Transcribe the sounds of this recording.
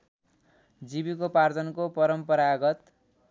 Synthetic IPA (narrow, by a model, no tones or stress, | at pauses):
d͡zibikopard͡zʌnkopʌɾʌmpʌɾaɡʌt̪